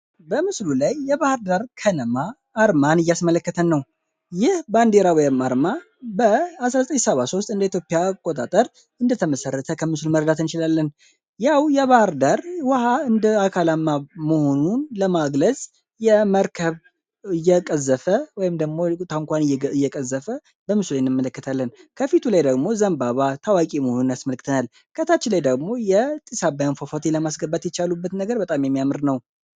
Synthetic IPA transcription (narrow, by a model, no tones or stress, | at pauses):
bəmɨslulajːɛβahɾd̪aɾkʰənəmaː | ɾmanɨjːasmələkːət̪ʰənːəw | jɪhband̪eɾawɔjɪmaɾma | bəasɾazət̪ʼəɲːsəβaso̞st̪ʼɨnd̪əit̪jo̞pʼːɪjakʼot̪ʼat̪ʼəɾ | ɨnd̪ət̪ʰəməsərːət̪ʰəkʰəmɨsluməɾd̪at̪ɨnt͡ʃɪlalːən | jawjɛβahɨɾd̪aɾwahaɨnd̪əakʰalamːamoho̞nunləmaɡləzʼ | jɛməɾkʰəβ | ɨjːɛkʼəzːəfəwɔjɪmd̪əɡmo̞t̪ʰaɨŋkʷanjɛɨjːɛkʼəzːəfə | bəmɨsulajɪnːɨmːələkːət̪ʰalːənkʰəfit̪ʰulajd̪əɡmo̞zəmbaβat̪ʰawakʼimohonunjasməlkʰːɨt̪ʰənal | kʰət̪ʰat͡ʃːɪlajd̪əɡmo̞jɛt̪ʼisabajanfofot̪ʰeləmasɡəbːat̪jɛt͡ʃalubːət̪nəɡəɾbət̪ʼamjɛmːijamɨɾnəw